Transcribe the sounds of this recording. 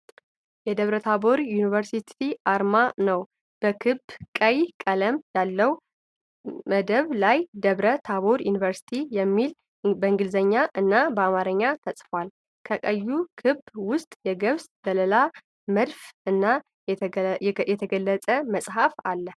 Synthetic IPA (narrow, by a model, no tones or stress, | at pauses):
jɛd̪əβɾət̪ʰabo̞ɾjunivəɾsit̪ʰiʔaɾmanəw | b̥əkʰɨbkʼəjkʼələmjalːəw | məd̪əβlajd̪əβɾət̪ʰaβo̞ɾjunivəɾsi̥t̪ʰijɛmːil | bəɨŋɡɨlzəɲːaʔɨnːabəamaɾəɲːat̪ʰəsʼfwal | kʰəkʼəjːukʰɨbːwʊst̪ʼjɛɡəβsbələla | məd̪fɨnːa | jɛt̪ʰəɡəlːət͡sʼəməsʼhafalːə